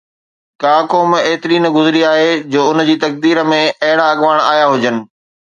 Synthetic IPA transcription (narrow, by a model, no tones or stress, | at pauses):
kaːkoːmeːt̪ɪɾiːnəɡʊzɪɾiaːɦed͡ʑoːʊnd͡ʑiːt̪ɐk̚d̪iːɾə̆mẽɐɦɪɽaɐɠʋaːɽ̃a̰ːjaɦʊd͡ʑənɪ̆